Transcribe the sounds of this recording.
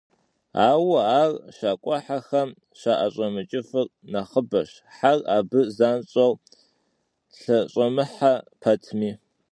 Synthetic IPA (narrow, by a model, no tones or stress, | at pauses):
a̰ːwɐaːrʃaːkʷʼɔħaxɐm | ʃaʔɐɕʷʼɐmɨt͡ʃʼɪfɨr | nɐχəbɐʃ | ħaraːbɨzaːnɕʼɐw | ɬɐɕʼɐmɨħapʰɐtʰmiː